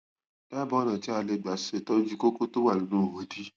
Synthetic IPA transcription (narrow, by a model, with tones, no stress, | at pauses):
da˦˨bɔ˨˦nã˨ti˦a˧le˧˨ɡ͡ba˨se˨tɔ˦n˦d͡ʒu˦ko˦ko˦to˦wa˦˨nĩ˨˦nũ˦˨o˨˦di˦